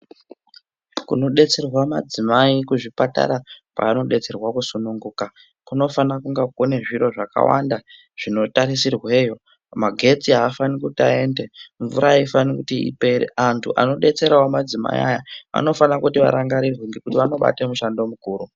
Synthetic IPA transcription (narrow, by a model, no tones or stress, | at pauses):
kuno̞ɗe̞t͡se̞rwamad͡zimaikuʐipata̰ɾapa̰ːno̞ɗe̞t͡se̞rwakusunuŋɡuːka | kuno̞fanakuŋɡakoneʐiɾo̞ʐaka̰wa̰nda | ʐ̥ino̞taɾisirwe̞ːjo̞ | maɡʱe̞t͡siɦaːfanikutiae̞ːndeɱvṵɾaifanikutiḭpe̞ɾḛantʰṵʔano̞ɗe̞t͡se̞ɾaomad͡zima̰ḭa̰jaa̰no̞fanakutiʋa̰ɾaŋɡaɾirweŋɡe̞kutiʋano̞ɓa̰temuʃando̞mukuːɾu